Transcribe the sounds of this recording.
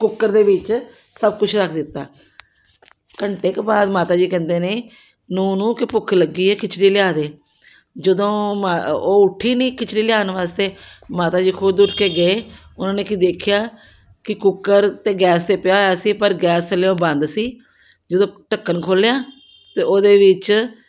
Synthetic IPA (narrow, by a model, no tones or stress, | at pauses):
kʊkːəɾd̪eːʋɪt͡ʃ | səbkʊt͡ʃʰɾəkʰd̪ɪt̪ːaː | kəɳʈeːkbaːd̪maːt̪aːd͡ʒiːkɛ̃ːnd̪eːneː | nũːnũːkɪpʊkʰləɡiːɛːkɪt͡ʃʰɽiːlɪjaːd̪eː | d͡ʒəd̪õːmaoːʊʈʰːiːnĩːkɪt͡ʃʰɽiːlɪjaːnʋaːst̪eːmaːt̪aːd͡ʒiːkʰʊd̪ʊʈkeːɡəeːʊnãːneːkɪd̪eːkʰɪjaː | kɪkʊkːəɾt̪eːɡɛːst̪eːpɪjaːɛːsiːpəɾɡɛːst͡ʃəlːeõːbə̃nd̪siː | d͡ʒəd̪õːʈəkːənkʰoːljaː | t̪eːoːd̪eːʋɪt͡ʃ